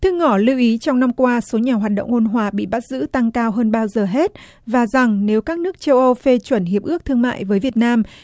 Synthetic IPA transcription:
t̪ʰɨ˧ŋɔ˧˩li˧wʔi˨˦t͡ɕɔ˧wŋ͡mna˧mkwaː˧so˨˦ɲaː˨˩ɦwaː˨˩t̚ɗə̰˧˨wŋ͡mʔo˧nɦwaː˧˩ɓḭ˧˨ɓa˦˥t̚zɨ̰˧˥t̪a˧ŋkaː˧wɦəː˧nɓaː˧wzəː˨˩ɦe˦˥t̚ | vaː˨˩za˨˩ŋne˨˦wkaː˦˥k̚nɨ˦˥ək̚t͡ɕə˧wʔə˧wfe˧t͡ɕwə˧˩nɦi˨˩əp̚ʔɨ˦˥ək̚t̪ʰɨ˧əŋma̰ː˧˨jvəː˨˦jvi˨˩ət̚naː˧m

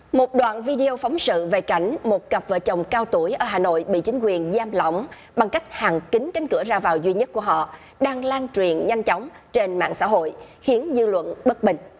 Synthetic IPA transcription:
mo˨˩t̚ɗwa̰ː˧˨nvi˧ɗi˧o˧fɔ˨˦wŋ͡msɨ̰˧˨ve˨˩ka˧˩jŋ̟mo˨˩t̚kə˨˩p̚vəː˧˨˩t͡ɕə˨˩wŋ͡mkaː˧wt̪u˧˩əjʔəː˧˩ɦaː˨˩no̰˧˨jɓḭ˧˨t͡ɕï˨˦ŋ̟kwi˨˩ənzaː˧mlɔ̰˧˨wŋ͡m | ɓa˨˩ŋka˦˥jk̟̚haː˨˩ŋkï˨˦ŋ̟ka˨˦jŋ̟kɨ˧˩əzaː˧vaː˨˩wzwi˧ɲə˦˥t̚ku˧˩əɦɔ̰˧˨ | ɗaː˧ŋlaː˧nt͡ɕwi˨˩ənɲa˧jŋ̟t͡ɕɔ˨˦wŋ͡m | t͡ɕe˧nma̰ː˧˨ŋsa̰ː˧˥ɦo̰˧˨jxi˨˦ənzɨ˧lwə̰˧˨nɓə˦˥t̚ɓï˨˩ŋ̟

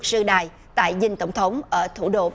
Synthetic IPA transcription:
k̚sɨ˧ɗaː˨˩j | t̪a̰ː˧˨jzï˧ŋ̟t̪ə˧˩wŋ͡mt̪ʰə˨˦wŋ͡mʔəː˧˩t̪ʰu˧˩ɗo̰˧

